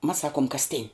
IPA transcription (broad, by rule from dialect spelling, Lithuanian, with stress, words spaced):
mɐs ˈsɑːkuɔm kɐsʲˈtʲɪnʲ